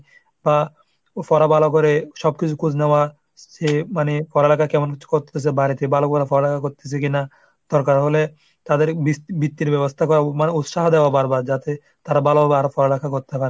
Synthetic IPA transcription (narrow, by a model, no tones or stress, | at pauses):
ba | fɔɾabalokɔɾeʃɔbkit͡ʃʰukud͡ʑʰnewa | semanefɔɾelakʰakɛmonkiu̥koɾt̪ʰesʰebaɾit̪ebalokɔɾafɔɾelakʰakoɾt̪es̬ʰekina | d̪̥ɔɾkaɾɦole | t̪ad̪eɾbibit̪ːiɾbɛbost̪ʰakɔɾamaneut̪ʃaɦd̪ewabaɾbaɾd͡ʒat̪e | t̪aɾabalobabeaɾofɔɾelakʰakoɾt̪epaɾe